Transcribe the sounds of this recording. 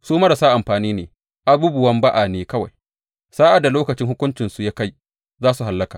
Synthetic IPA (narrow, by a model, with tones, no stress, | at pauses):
suː˦mɐ˦ɾa˨sa˦ʔa˨mɸaː˨niː˦neː˨ | ʔa˦buː˦bʊ˨wɐ˦mba˦ʔa˨neː˨kɐ˦wa˨j | saː˦ʔa˨da˨loː˦kɐ˨t͡ʃɪ˦ŋhʊ˦kʷʊ˦nt͡ʃɪ˨nsu˨ja˦ka˦j | zaː˦su˨ɦa˨lːɐ˦kaː˨